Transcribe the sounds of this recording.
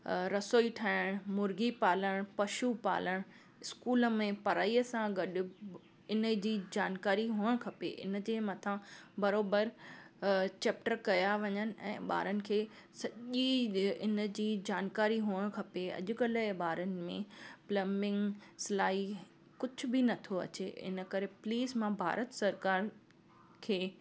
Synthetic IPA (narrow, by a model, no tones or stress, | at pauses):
ɾɐsoːiʈʰaːɪɽ̃mʊɾɡipaːləɽ̃pɐʃupa̰ːləɽ̃ | ɪskuːlə̆mẽpɐɾaːiːəsãɡɐɗɪ̆ | ɪnə̆d͡ʑiːd͡ʑaːnkaːɾiɦuːəɽ̃kʰɐpḛʔɪ̰n̆d͡ʑeːmɐt̪ʰãbɐɾoːbəɾ | t͡ɕeːp̚ʈəɾkɐjaʋɐɲənɪ̆ɛ̰̃ːɓa̰ːɾənɪ̆kʰeː | sɐʄiɪnə̆d͡ʑiːd͡ʑaːnkaːɾiɦuːəɽ̃kʰɐpeɐ̰ʄʊkɐləɓaːɾənɪ̆mẽplɐmɪ̃ŋɡsɪlaːi | kʊd͡ʑʱʊ̆bɪnɐt̪ʰoɐ̰t͡ɕeɪ̰nə̆kɐɾepliːzmãbʱa̰ːɾət̪sɐɾkaːɾ | kʰeː